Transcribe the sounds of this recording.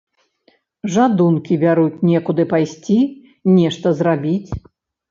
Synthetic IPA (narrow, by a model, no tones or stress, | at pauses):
ʐad̪unkʲibʲaɾut͡sʲnʲɛkud̪ɨpajsʲt͡sʲi | nʲɛʂt̪ɐzrabʲit͡sʲ